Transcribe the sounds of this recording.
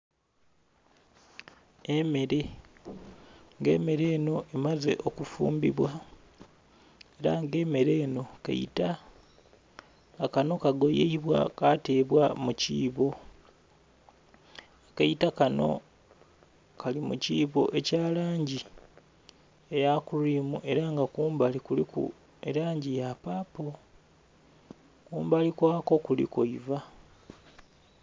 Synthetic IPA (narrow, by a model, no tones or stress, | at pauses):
e̞me̞ɾe̞ | ŋɡe̞̰ːme̞ɾe̞ːno̞ʔemaze̞̰ʔo̞kufṵːmbiβwa | e̞ɾa̰ŋɡe̞ːme̞ɾe̞ːno̞ka̰ḭta | kano̞kaɡo̞jeiβwa̰kate̞ːβwamuciːβo̞ | kejitakano̞̰ | kalimṵciːβo̞̰ʔe̞caːlaːɲɟi | ejakuɾiːmuʔe̞ɾaŋɡakuːmbalikulikṵ | eɾaːɲɟijapaːpo | kuːmbalikwaːko̞kulḭkoiva